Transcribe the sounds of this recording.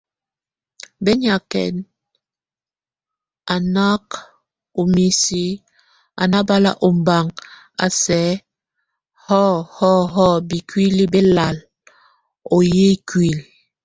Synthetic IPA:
be˦ɲa˨kɛ̰˨n | a˨na˦k | o˨mi˨si˦ | a̰˨na˦ba˦la̰˦ʔo˨m̩˨ba˨ŋ | a̰˨sɛ˨˦ | hɔ˦˨hɔ˦˨ɦɔ˦bi˨kwi˦li˦be˦la˨l | o˨je˦kwi˨l

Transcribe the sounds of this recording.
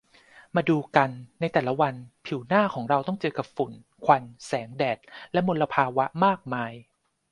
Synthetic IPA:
maː˧duː˧ka˧nːa˧jt̪ɛː˨˩la˦wa˧npʰiː˩˦wnaː˥˩kʰɔː˩˦ŋɾa˧wt̪ɔ˥˩ŋt͡ɕɤː˧ka˨˩p̚fu˩˦n | kʰwa˧nsɛː˩˦ŋdɛː˨˩t̪̚lɛ˦˥mo˧lːa˧pʰaː˧wa˦˥maː˥˩k̚maː˧j

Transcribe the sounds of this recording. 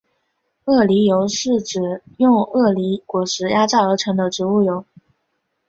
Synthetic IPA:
ɤ˥˩li˧˥jo˧˥ʊʂɻ̩˥˩ʈ͡ʂɻ̩˨˩jʊ˥˧ŋɤ˥˩li˧˥kwɔ˨˩ʂɻ̩˧˥ja˥ʈ͡ʂɑ˥˩ə˞˧˥ʈ͡ʂʰɤ˧˥ŋd̪ə˧ʈ͡ʂɻ̩˧˥u˥˩jo˧˥ʊ

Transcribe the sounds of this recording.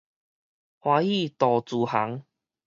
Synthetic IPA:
hwaː˨˧˦i˥˧˨t̪ɔ˨˩t͡su˨˩ha˨˦ŋ

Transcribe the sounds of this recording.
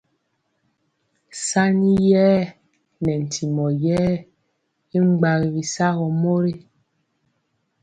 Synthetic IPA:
sa˦ni˦jɛː˦ | nɛ˨n̩˨tʰi˨mɔ˨jɛː˦ | i˦ŋ͡m̩˦ɡ͡ba˨ɣi˨βi˨sa˦ɣɔ˨mo˦ɾe˦

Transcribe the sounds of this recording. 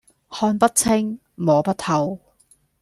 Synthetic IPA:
hɔː˧npɐ˥t̚t͡sʰɪ˥ŋ | mɔː˨˧pɐ˥thʰɐ˧w

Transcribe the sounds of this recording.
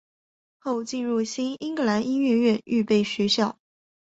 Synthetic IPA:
xo˥˧ʊt͡ɕi˥˧nɻu˥˩ɕi˥ni˥ŋkɤ˧˥la˧˥ni˥nɥɛ˥˧ɥɛ˥˧ny̰˥˧pe˥˩ɪɕɥɛ˧˥ɕjɑ˥˩ʊ

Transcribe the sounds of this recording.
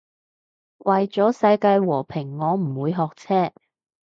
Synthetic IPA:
wʔɐ˨jt͡sɔː˨˥sɐ˧jkaː˧jwɔː˨˩pʰɪ˨˩ŋːɔː˨˧m̩˨˩wuː˨˧jɦɔː˨k̚t͡sʰɛː˥

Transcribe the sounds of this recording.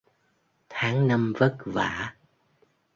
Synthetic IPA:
t̪ʰaː˨˦ŋna˧mvə˦˥t̚vaː˧˩˦

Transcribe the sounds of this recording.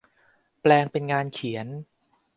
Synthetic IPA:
plɛː˧ŋpe˧nŋaː˧nkʰi˩˦ən

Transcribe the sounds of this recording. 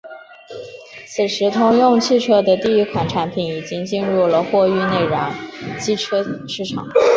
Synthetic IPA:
sʰɹ̩˨˩ʂɻ̩˧˥t̪ʰʊ˥ŋjʊ˥˧ŋt͡ɕʰi˥˩ʈ͡ʂʰɤ˥d̪ə˨t̪i˥˩˧i˥kʰwa˨˩nʈ͡ʂʰa˧˥npʰi˨˩˥ni˨˩t͡ɕi˥ŋt͡ɕi˥˧nɻu˥˩lə˩xwɔ˥˧y˥˧ne˥˩ɪɻɑ˧˥ŋt͡ɕi˥ʈ͡ʂʰɤ˥ʂɻ̩˥˩ʈ͡ʂʰɑ̰˨˩˦ŋ

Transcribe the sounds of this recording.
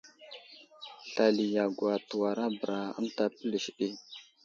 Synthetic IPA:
ɬa˨li˨ja˨ɡwa˨tu˨wa˨ɾa˦bə˨ɾa˨ə̰˦nta˦pə˦lə˨ʃɗi˦

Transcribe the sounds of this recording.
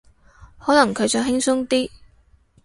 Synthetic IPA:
hɔː˨˥nɐ˨˩ŋkʰɵ˨˧ɥt͡sɔː˨˧˥ɦɪ˥ŋsʊ˥ŋt̪iː˥

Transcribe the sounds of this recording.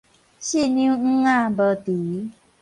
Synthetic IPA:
ɕi˦˨nĩ˧˦ŋ̩˦ŋa˦˧˨bə˧t̪i˨˦

